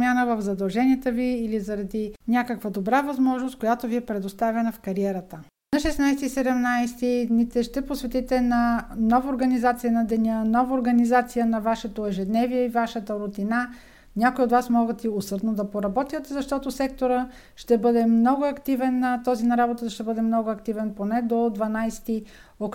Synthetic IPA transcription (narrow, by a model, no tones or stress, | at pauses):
pmʲjanəvəvzɐd̪ɐlˠʒɛniɛt̪əviːlizɐɾɐd̪inʲakəkvəd̪obɾavɐzmɔʒnost̪̚kojat̪oviɛpɾɛd̪ost̪avʲɛnəfkɐɾiɛɾət̪ə | nɐʃɛsnajsɛt̪isɛd̪ɛmnajst̪id̪nit̪ɛʃt̪ɛposvɛt̪it̪ɛnɐnɔvəoɾɡɐnizat̪sijənɐd̪ɛnʲənɔvəoɾɡɐnizat̪sijənɐvaʃɛt̪oɛʒɛd̪nɛviɛivaʃət̪əɾʊt̪ina | nʲakoiot̪vasmɔɡət̪iosɤɾd̪nod̪ɐpoɾɐbɔt̪iət̪ɛzɐʃt̪ɔt̪osɛk̚t̪oɾə | ʃt̪ɛbɤd̪ɛmnɔɡʊɐkt̪ivɛnːɐt̪ɔzinɐɾabot̪əd̪ʃt̪ɛbɤd̪ɛmnɔɡʊɐkt̪ivɛnponɛd̪od̪vɐnajst̪iok